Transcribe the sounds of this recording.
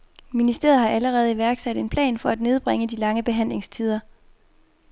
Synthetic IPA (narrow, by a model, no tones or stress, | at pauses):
minisd̥e̝̰ːɐð̞̩ˠhɑ̈æləʁɛːð̞̩ˠiʋæɐɡ̥sæd̥e̝npʰlɛ̰ːnfɒ̽æd̥ne̝ð̞ˠb̥ʁeŋəd̥ilɑ̈ŋəb̥e̝ɦæn̰le̝ŋst͡sʰið̞ˠɐ